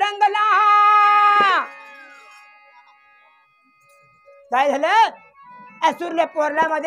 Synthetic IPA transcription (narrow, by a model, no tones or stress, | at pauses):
ɾəŋɡəlaɦa | kajd͡zʱalə | esuɾlepoɾlaməd̪ʱː